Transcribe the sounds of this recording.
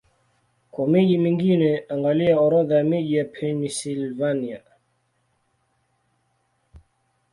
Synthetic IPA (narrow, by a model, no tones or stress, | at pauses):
kwɔmeʄimiŋɡinɛaŋɡaliaɔɾɔðameʄijapʰɛnisilvania